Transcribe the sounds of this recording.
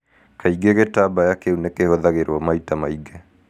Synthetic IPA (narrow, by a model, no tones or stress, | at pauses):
kaiɡeɣetabajakeunekehoðaɣeɾwɔmaitamaiɡɛ